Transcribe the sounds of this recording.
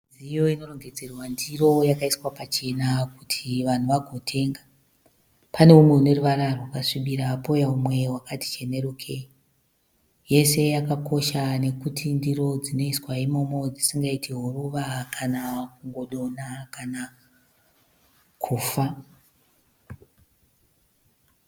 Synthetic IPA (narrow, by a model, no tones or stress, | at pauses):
d͡zijo̞ino̞ro̞ŋɡe̞d͡ze̞rwandiro̞jakaiswapat͡ʃe̞nakutʰiʋan̤uʋaɡʱo̞tʰe̞ːŋɡa | pane̞umwe̞une̞ruʋaɾarwakaʂiɓiɾaːpo̞jaumwe̞ɦwakati̥t͡ʃe̞ne̞rukʰe | je̞se̞jakako̞ʃane̞kutʰindiɾo̞d͡zino̞iswaimo̞mo̞d͡zisiŋɡaitʰiɦoruʋakʰanaakuŋɡo̞ɗo̞nakana | kʰuːfa